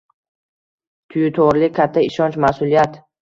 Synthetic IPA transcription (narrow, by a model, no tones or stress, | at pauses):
t̪ʰʊjɪt̪ʰɒɾlɪkʲʰat̪ʰːaɪʃɒnt͡ʃmasʊlijat̪